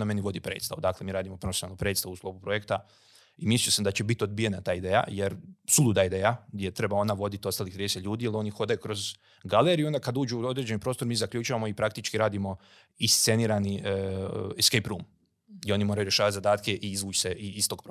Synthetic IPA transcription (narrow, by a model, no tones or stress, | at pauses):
ame̞niʋo̞d̪ipɾe̞̰ːt̪st̪a̰ud̪aːklemiːɾaːd̪imopɾofesonalnopɾe̞d̪t̪st̪aʋusklˠo̞pupɾo̞jekt̪a | imisliosamd̪at͡ɕebit̪io̞d̪̚bije̞nat̪aːid̪eːja̰jeɾsulud̪aid̪eːjaɡd̪je̞t̪ɾe̞bao̞naʋo̞d̪it̪iost̪aːlixt̪ɾiːd̪eset̪lʎʲuːd̪ijelio̞nixo̞d̪ajukɾo̞z | ɡaleɾio̞nd̪akad̪uːd͡ʒuuo̞d̪ɾed͡ʑe̞nipɾo̞ːst̪oɾmiːzakʎuːt͡ʃuʋamoipɾakt̪it͡ʃkiɾaːd̪imo̞ | ist̪se̞niːɾani | skejpɾuːm | io̞nimoɾajuɾje̞ʃaːʋat̪zad̪aːt̪keʔiizʋuːt͡ʃseʔiist̪o̞ɡ̚pɾo